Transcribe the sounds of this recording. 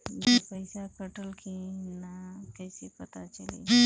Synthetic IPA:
d͡ʒepəjsakəʈəlkʰinakəjsipət̪at͡ʃəlḭ

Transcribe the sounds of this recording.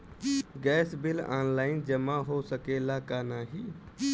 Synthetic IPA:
ɡɛsbila̰nlaɪnd͡ʒəmaɦosəkelakanaɦi

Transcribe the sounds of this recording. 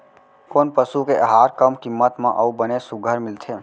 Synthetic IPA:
koːnpəsukeʔəɦaːɾkəmkɪmːət̪mãʔəubənesʊɡʱəɾmɪlt̪ʰe

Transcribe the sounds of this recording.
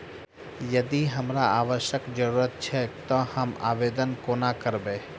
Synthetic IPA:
jɐd̪iɦəmɾaaːʋəʃjəkd͡ʒəɾuɾət̪̚t͡ʃʰɛt̪ɔhəma̰ːʋed̪ənkonakəɾbẽː

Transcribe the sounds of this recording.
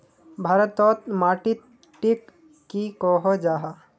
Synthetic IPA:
bʱaɾət̪ːɔt̪maʈit̪̚ | ʈip̚ | kikɔɦod͡ʒaːɦa

